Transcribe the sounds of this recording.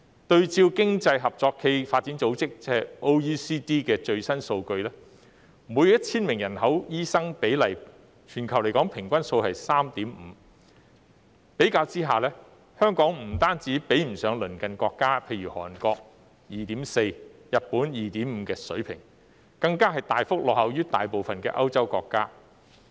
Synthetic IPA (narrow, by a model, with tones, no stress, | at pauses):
t̪ɵ˧ɥt͡siː˧wkɪ˥ŋt͡sɐ˧jɦɐ˨p̚t͡sɔː˧kʰːe˧jfaː˧t̚t͡si˨˥nt͡so˨˥wt͡sɪ˥k̚t͡sɛ˥ɐ˨˩jo˥wjiː˥siː˥t̪iː˥kɛː˧t͡ʃɵ˧ɥsɐ˥nso˧wkɵ˧ɥlɛː˥ | muː˨˥jjɐ˥t̚t͡sʰiː˥nmɪ˨˩ŋjɐ˨˩nhɐ˨˥wjiː˥sɐ˥ŋpe˨˥jlɐ˨˩j | t͡ʃʰyː˨˩nkʰɐ˨˩wle˨˩jkɔː˨˥ŋpʰɪ˨˩ŋkʷɐ˥nso˧whɐ˨jsaː˥mt̪iː˨˥mm̩˨˧ | pe˨˥jkaː˧wt͡siː˥ɦaː˨lɛː˥ | hœː˥ŋkɔː˨˥ŋm̩˨˩t̪aː˥nt͡siː˨˥pe˨˥jm̩˨˩sœː˨˧˥ŋlɵ˨˩nkɐ˨nkɔː˧kːaː˥pʰe˧jɥyː˨˩hɔː˨˩nkɔː˧k̚ | jiː˨˩t̪iː˨˥mse˧jjɐ˨t̚puː˨˥njiː˨t̪iː˨˥mm̩ː˨˧kɛː˧sɵ˨˥ɥpʰɪ̰˨˩ŋ | kɐ˧ŋkaː˥ɦɐ˨˩jt̪aː˨jfʊ˥k̚lɔː˨hɐ˨wjyː˥t̪a̰ː˨jpo˨wfɐ˨nkɛ̰ː˧ʔɐ˥wt͡sɐ˥wkɔː˧kːaː˥